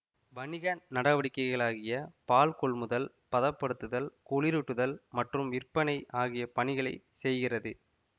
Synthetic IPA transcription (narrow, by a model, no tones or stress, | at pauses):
ʋɐnɪɣannɐɽɐʋɐɽɪkːɐɪɣɐɭaːɣɪjɐpaːlkɔɭmʊðɐl | pɐðɐpːɐɽɯt̪ːɯðɐlkɔɭɪɾuʈːɯðɐlmɐʈrɯmʋɪrpɐnɐɪʔaːɣɪjɐpɐɳɪɣɐɭɐɪsɛjɣɪrɐðɯ